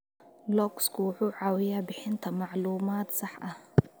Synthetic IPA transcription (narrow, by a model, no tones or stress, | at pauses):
lɔkskʰʊwʊħuːʕɑːwɪjaːbɪħɪnt̪ʰɐmɑʕluːmaːt̪sɑħʔɐh